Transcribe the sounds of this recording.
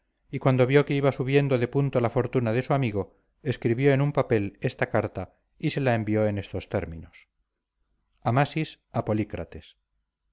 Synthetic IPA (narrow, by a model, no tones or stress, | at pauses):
ikwand̪o̞βjo̞keiβasuβje̞nd̪oðe̞punt̪olafo̞ɾt̪unaðe̞suamiɣo̞ | e̞skɾiβjo̞e̞numpape̞le̞st̪akaɾt̪a | ise̞lae̞mbio̞e̞ne̞st̪o̞st̪e̞ɾminos | amasis | apo̞likɾa̰t̪e̞s